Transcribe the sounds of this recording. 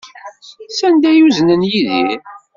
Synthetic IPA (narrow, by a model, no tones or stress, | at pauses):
sænd̪æjuznənjiðḭ